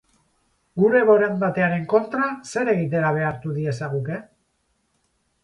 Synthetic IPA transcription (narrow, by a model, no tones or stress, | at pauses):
ɡuɾe̞βo̞ɾambat̪e̞aɾe̞ŋko̞nt̪ɾase̞ɾe̞ɣ̞it̪e̞ɾaβ̞e̞aɾt̪uðie̞saɣuke̞